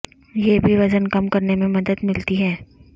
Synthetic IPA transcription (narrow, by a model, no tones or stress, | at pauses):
jebʱiʋɐd͡ʒənkɐmkɐɾnemẽmɐd̪əd̪mɪlt̪iɦɛː